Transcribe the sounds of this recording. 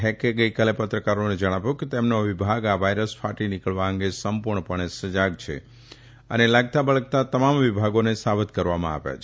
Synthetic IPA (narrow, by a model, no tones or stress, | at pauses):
ɦekeɡəikalepət̪ɾəkaɾoned͡ʒəɽ̃aʋjũket̪emnoʋibʱaɡaʋajɾəspʰaʈinɪkəɭʋaəŋɡesəmpuɾɳəpəɳ̃esəd͡ʒaɡt͡ʃʰḛ | ə̰nelaɡt̪abəɭək̚t̪at̪əmamʋibʱaɡonesabət̪kəɾʋamã̰a̰ʋja̰t͡ʃʰ